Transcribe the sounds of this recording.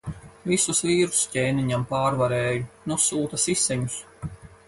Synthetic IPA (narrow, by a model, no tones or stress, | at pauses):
visusviːɾu̥scʲeːniɲampaːɾvaɾɛːjunusuːt̪asisɛɲus